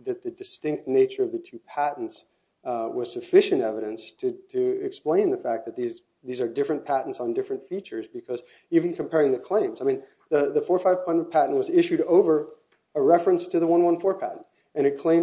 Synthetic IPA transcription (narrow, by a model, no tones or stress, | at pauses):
ðɨt̪̚ðɨdɨstɪ̃ŋk̚tⁿneɪt͡ʃə˞ʌvðɨtʰʉpʰæʔn̩ts | wʌz̥sɨfɪʃɨ̃ntɛvɨɾɨ̃nstʰɨɨɪksplẽɪ̃nðɨfæk̚ðɨt̪̚ðiz | ðizə˞dɪfɹɨ̃npʰæʔn̩tsn̩dɪfɹɨ̃ntfit͡ʃə˞zbɨkʰʌz | iṽn̩kʰɨ̃m̩pʰɛɹɪ̃ŋðɨkʰl̥ẽɪ̃mzaɪmĩn | ðɨðɨfɔɹfaɪv̥pʰʌ̃ntʌv̥pʰæʔn̩ʔ̚wʌzɪʃʉɾoʊvə˞ | əɹɛfɹɨ̃nstʰɨðəwʌ̃nwʌ̃nfɔɹpʰæʔn̩t | ɨ̃ɾ̃ɨt̚kʰl̥ẽɪ̃